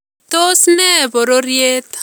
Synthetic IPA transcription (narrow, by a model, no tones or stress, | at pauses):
t̪osneboɾoɾjet̪